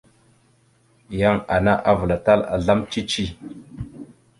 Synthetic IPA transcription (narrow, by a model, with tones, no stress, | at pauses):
ja˦ŋa˨na˦ʔa˦və˨la˨ta˦la̰˨ɮa˦mt͡ʃi˦t͡ʃi˦